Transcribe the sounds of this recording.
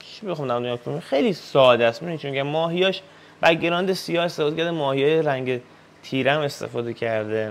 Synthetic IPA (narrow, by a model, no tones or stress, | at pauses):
ibexund̪æmd̪onjɒkʰomixejlisɒːd̪æst̪minit͡ʃʰimiɟʲæmmɒːɦijɒːʃ | bæɟeɾɒːnd̪esijɒːhe̞st̪efɒd̪ecʰæɾd̪emɒːhijɒːjeɾæŋɟe | t̪ʰiːɾæme̞st̪ḛfɒːd̪ecʰæɾd̪e